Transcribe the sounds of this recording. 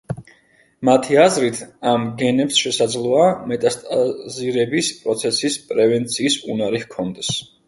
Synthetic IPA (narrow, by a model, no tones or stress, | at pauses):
mat̪ʰiazɾit̪ʰamɡɛnɛpsʃɛsad̪zlˠɔamɛt̪ʼast̪ʼaziɾɛbispʼɾɔt̪sʰɛsispʼɾɛvɛnt̪sʰiːsunaɾihkʰɔnd̪ɛs